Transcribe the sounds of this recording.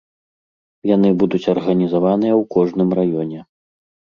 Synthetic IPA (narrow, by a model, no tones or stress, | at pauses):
jan̪ɨbud̪ut͡sʲɐrɣɐnʲizavanɨjɐwkɔʐnɨmrajɔnʲɛ